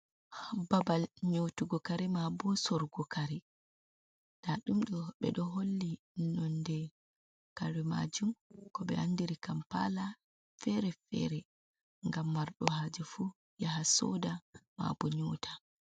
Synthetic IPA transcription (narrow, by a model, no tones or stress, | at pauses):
babalɲotuɡɔkaɾimabɔsɔɾɡɔkaɾi | d̥aɗumɗɔɓɛ̰ɗɔɦolːi | nɔndɛ | kaɾima̰d͡ʒumkɔɓɛ̰handiɾikampa̰la | fɛɾɛfɛ̰ɾɛ | ŋɡamːaɾɗɔhaːd͡ʒufu | jaɦasɔ̰dama̰bɔɲoːtʰḁ